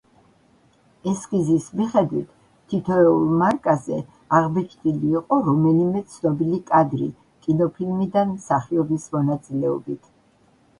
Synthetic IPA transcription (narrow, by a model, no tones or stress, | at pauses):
ɛsɡizismiχɛd̪wit̪ʰ | t̪ʰːit̪ʰɔɛulˠmaɾkʼazɛ | aʁbɛt͡ʃʰt̪ʼiliːqʼɔɾɔmɛlimɛt̪sʰnɔbilikʼad̪ɾḭ | kʼinɔpʰilmid̪anmsaχiɔbismɔnat̪sʼilɛɔbit̪ʰ